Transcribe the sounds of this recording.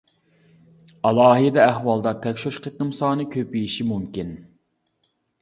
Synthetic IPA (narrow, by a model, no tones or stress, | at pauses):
ɑlˠɑːɦɨd̪ɛːhwɑlˠd̪ɑt̪ʰɛkʲʃoʃqʰet̪̚nɨmsɑːnɨkʲʰøpijiʃimumkʲin